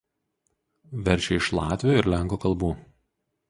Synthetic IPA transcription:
ʋʲɛɾʲˑʃʲɛɪʃlˠɑːt̪ʲʋʲɪjoːɪɾʲlʲæˑŋkoːkɐlˠbuː

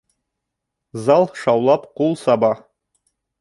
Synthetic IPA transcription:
zɑlˠʃɑwlˠɑpqulˠsɑbɑ

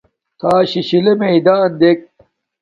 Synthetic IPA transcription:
t̪ʰaːɕiɕilemeid̪aɐnd̪eːk̚

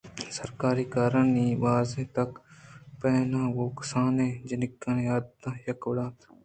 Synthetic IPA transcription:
səɾkaːɾiːkaːɾəɳniːʋaːzeːt̪ɐkpɛːnãːɡoːksaːneːd͡ʒənɪkːãnjaːd̪d̪ãːjəkʋɽaːt̪

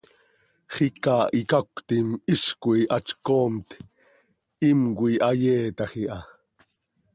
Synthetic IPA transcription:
χikɑːʔikakʷt̪imiskuiʔɑt͡ʃkoːmt̪ | imkwiʔajeːt̪ɑχiʔɑ

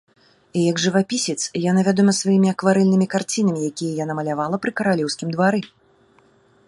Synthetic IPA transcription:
ijɐɡʐɨvapʲisʲɛt̪sjanavʲad̪ɔmɐsvajimʲiɐkvaɾɛlʲnɨmʲikart͡sʲinɐmʲijakʲijɐjanamɐlʲavalˠɐpɾɨkɐɾalʲɛwsʲkʲimd̪vaɾɨ

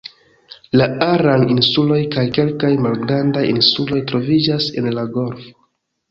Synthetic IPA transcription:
laaɾaninsulo̞jkajke̞lkajmalɡɾandajinsulo̞jtɾo̞vid͡ʒase̞̰nlaɡo̞ɾfo̥

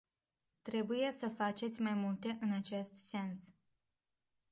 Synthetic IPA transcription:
t̪ɾe̞buje̞səfat͡ʃe̞t̪sʲmajmult̪e̞ʔɨnat͡ʃe̞st̪se̞ns

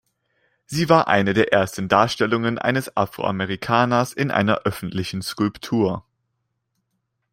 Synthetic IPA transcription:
z̥iːvaːɐʔa̰ɪnədeːɐʔeːɐstn̩daːɐʃtɛlʊŋənʔa̰ɪnəsa̰fʁ̥o̰ʔa̰mɛʁ̞ikʰaːnɐsɪnʔa̰ɪnɐ̰ʔœfn̩tlɪçn̩skʊlptʰuːɐ

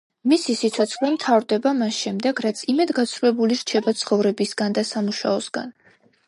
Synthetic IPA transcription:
misisit̪sʰɔt̪sʰχlɛmt̪ʰavɾd̪ɛbamasʃɛmd̪ɛɡɾat̪sʰimɛd̪ɡat̪sʰɾulɛbuliɾt͡ʃʰɛbat̪sʰχɔvɾɛbisɡand̪asamuʃa̰ɔsɡa̰n

